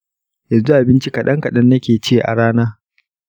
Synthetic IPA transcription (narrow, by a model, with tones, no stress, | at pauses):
ja˨zu˦ʔa˨bɪ˦nt͡ʃi˦kɐ˨ɗɐ˦ŋkɐ˨ɗɐ˦nːɐ˦kʲeː˨t͡ʃeː˦˨ʔa̰˨ɽaː˦naː˦